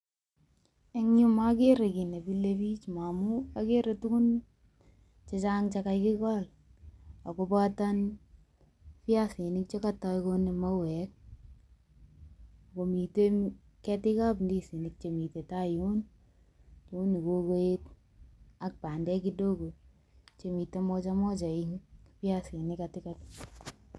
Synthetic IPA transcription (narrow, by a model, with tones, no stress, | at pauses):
e˦ŋɲu˦ma˦ke˦ɾe˨ki˨ne˨bi˦le˦pi˦t͡ʃma˨mu˦a˦ke˦ɾe˨tu˦ku˦n | t͡ʃe˦t͡ʃa˦ŋt͡ʃa˦ka˨jkɪ˦kɔ˦l | a˨ko˦ba˦ta˦n | fja˦si˨nɪ˦k̚t͡ʃe˦ka˦tɔ˧jko˦ne˨ma˦wɛ˨˦k̚ | ko˨mi˨te˦ | kɛ˦tɪ˦ka˦pndi˦si˨ni˨k̚t͡ʃe˨mi˨te˨ta˦ju˦n | t͡ʃo˦ni˨ko˦ko˦e˦t | a˦k̚pa˨ndɛ˦ki˦do˦ko˨ | t͡ʃe˨mi˨te˦mɔ˦t͡ʃa˦mɔ˦t͡ʃa˨i˦ŋpja˦si˨nɪ˦ka˧tɪ˦ka˦t